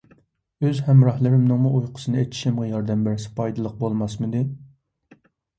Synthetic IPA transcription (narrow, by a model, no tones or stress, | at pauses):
øzhɛmɾɑhlˠɨɾɪmnɨŋmuʔujqʰʊ̥sɨnɨejt̪ʰi̥ʃimʁɛjɑɾd̪ɛmbæɾsɪ̥pʰɑjd̪ɨlˠəq̚bolˠmɑsmɨd̪ɪ